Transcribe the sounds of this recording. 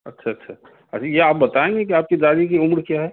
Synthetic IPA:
ɐ̰tːʃʰaɐtːʃʰaː | ɐajeaːp̚bɐt̪aẽːŋɡekiaːp̚kid͡ʒaːɾik̬iʊmɾkjaɦɛː

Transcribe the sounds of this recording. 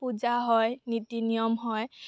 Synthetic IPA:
puzaɦɔjnitinijɔmɦɔj

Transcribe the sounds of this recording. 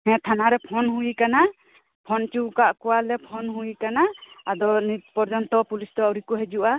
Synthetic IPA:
hɛ̃t̪ʰanaɾɛpʰɔnɦuikana | pʰɔnt͡ʃuwkaʔkɔwalɛpʰɔnɦuikanaad̪ɔnitpɔɾd͡ʒɔnt̪ɔpulisd̪ɔawɾikɔɦɛd͡ʒuʔa

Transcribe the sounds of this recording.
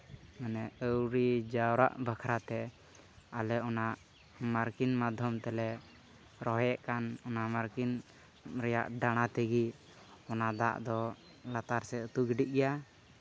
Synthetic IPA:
mənɛəwɾid͡ʒawɾa̰ʔbakʰɾat̪ɛ | alɛɔnaʔ | maɾkinmad̪ʱɔmt̪ɛlɛ | ɾɔɦɛʔkanɔnamaɾkin | ɾɛja̰ʔɖaɽ̃at̪əɡi | ɔnad̪a̰ʔd̪ɔ | lat̪aɾsɛət̪uɡiɖiʔ̚ɡɛja

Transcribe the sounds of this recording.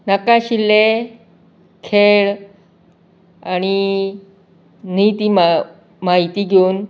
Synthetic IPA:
nakaɕilːe | kʰeɭ | añi | n̤it̪iːm | maɦit̪iːɡʱeuːn

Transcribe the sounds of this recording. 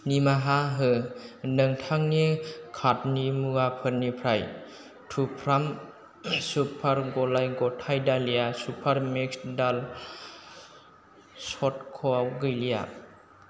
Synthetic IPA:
nimaɦaɦɯnɯŋtʰaŋnikʰat̚nimuɡapʰɯɾnipʰɾaj | tʰupʰɾam | supʰaɾɡɔlajɡɔtʰajdalijasupʰaɾmiksdal | sɔt̚kʰɔawɡɯjlija̰

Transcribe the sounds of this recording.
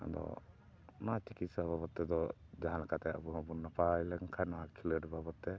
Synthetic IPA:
a̰d̪ɔ̰ | nat͡ʃikit̪sababɔt̪ːɛd̪ɔ | d͡ʒaɦanlakat̪ɛa̰buɦabunːapajlɛŋkʰajnɔakʰiləʈbʱabɔt̪ːɛ

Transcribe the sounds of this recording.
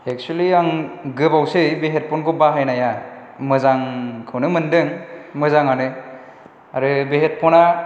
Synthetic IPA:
ek̚sueliaŋɡɯbawsebeɦet̚pʰɔnɡobaɦajnajamɯzaŋkʰɯwnɯmɯndɯŋmɯzaŋanɯ | aɾɯbeɦet̚pʰɔna

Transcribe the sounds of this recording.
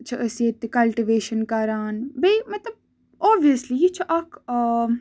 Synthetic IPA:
t͡ʃʰɐʔɐset̪ːekɐlʈiʋeːʃənkaɾaːnbeːmɐt̪ɐb̚ | ɔːbiəslit͡ʃʰɐʔɐkʰː

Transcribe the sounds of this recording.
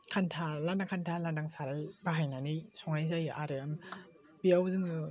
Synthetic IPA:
kʰantʰalandaŋkʰantʰalandaŋsaɾalbaɦajnanisɔŋajzajɯʔaɾɯm | biawzɯŋɯ

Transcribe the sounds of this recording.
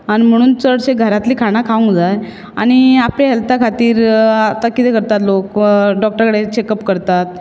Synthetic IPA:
aɽ̃im̤əɽ̃uːnt͡səɽɕeɡʱəɾat̪liːkʰaɽ̃akʰaʋəŋɡd͡zaj | a̰ñiapleɦɛlt̪akʰat̪iːɾat̪akit̪ekəɾt̪at̪lokɖɔk̚ʈəɾkəɽet͡ɕekəpkəɾt̪at̪̚

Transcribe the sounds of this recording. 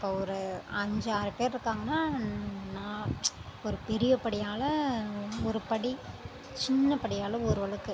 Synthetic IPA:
ɪpːoːɔɾɯɐɲd͡ʒaːɾɯpeːɾɪɾɯkːaːŋɡɐnːaːnãːɔɾɯpɛɾɪjɐpɐɽɪjaːlɐ | ɔɾɯpɐɽi | t͡ʃɪnːɐpɐɽɪjaːlɐɔɾɯʋɐɭɐkːɯ

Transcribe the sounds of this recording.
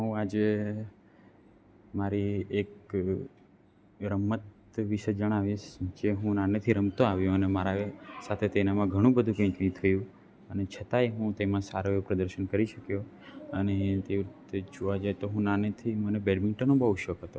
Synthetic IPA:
ɦũad͡ʒe | maɾiek | ɾəmːət̪ | ʋiʃəd͡ʒəɽ̃aʋiʃkeɦũnanet̪ʰiɾəmt̪oaʋjõənemaɾasat̪ʰet̪enamãɡʱəɽ̃ũbəd̪ʱũkə̃ĩkĩt̪ʰəjũ | ənet͡ʃʰət̪aeɦũt̪emãsaɾoepɾəd̪əɾʃənkəɾiʃəkjo | ənẽt̪eʋɾit̪ed͡ʒoʋad͡ʒajt̪oɦũnanet̪ʰimənebeɖmɪɳʈənõbəɦuʃəkɦət̪o

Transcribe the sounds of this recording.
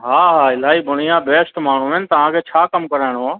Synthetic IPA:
ɦaːɦaːɪlaːɦiːbʊɽɪjãːbeːsʈmaːn̤ũːɛnt̪əʋ̤ãkʰeːt͡ʃʰaːkəmkəɾɛːɽ̃õː

